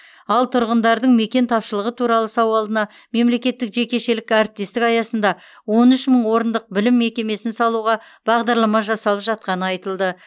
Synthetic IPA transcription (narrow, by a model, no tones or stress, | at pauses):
ɑlˠt̪ʰʊɾʁənd̪ɑɾd̪əɴme̞kʲe̞nt̪ʰɑpʃəlˠəʁət̪ʰuɾɑlˠəsɑwɑlˠd̪ənɑ | me̞mle̞kʲe̞t̪ːɪkʒe̞kʲe̞ʃe̞lɪkʲæɾɪp̚t̪e̞st̪ɪkɑjɑsənd̪ɑ | wo̞nʏʃməɴwo̞ɾənd̪əq̚bɪlɪmːe̞kʲe̞me̞sɪnsɑlˠuʁɑb̥ɑʁd̪ɑɾlˠɑmɑʒɑsɑlˠəpʒɑt̪̚qɑnəɑjt̪əlˠd̪ə